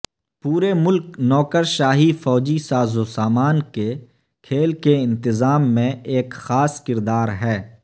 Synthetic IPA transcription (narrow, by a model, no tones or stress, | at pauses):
puːɾemʊlknɔːkəɾʃaːɦifɔːd͡ʒisaːzosaːmaːnke | kʰeːlkeɪ̃nt̪ɪzaːmːẽeːkxaːskɪɾd̪aːɾɦɛː